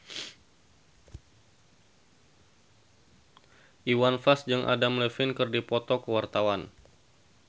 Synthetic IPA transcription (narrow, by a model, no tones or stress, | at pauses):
ʔiwanfasd͡ʒɨŋʔa̰damləfɪnkɨrdipɔt̪ɔkəwart̪awan